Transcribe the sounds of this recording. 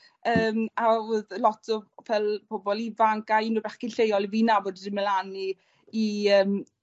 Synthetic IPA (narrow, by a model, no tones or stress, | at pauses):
əːmaʊðlɔtʰɔpʰɛlˠb̥obɔlˠivaŋɡajnubɛχɡ̥ɪnɬejɔlˠivinavoːddɪməlani | iəːm